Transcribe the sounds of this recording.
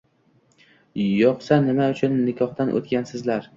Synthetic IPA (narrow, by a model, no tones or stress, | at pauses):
jɒqsanɪmaʊt͡ʃʰʊnːɪkʲʰɒχd̪anʔo̰t̪ɡʲansɪzlaɾ